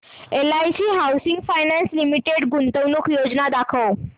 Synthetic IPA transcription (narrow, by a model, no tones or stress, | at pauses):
elait͡ɕiːɦawsiŋɡfajnanslimiʈeɽɡunt̪əʋnukʰjod͡ʑnad̪akʰəw